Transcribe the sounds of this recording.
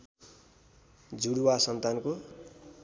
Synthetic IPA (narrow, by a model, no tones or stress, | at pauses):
d͡zuɽwasʌnt̪anko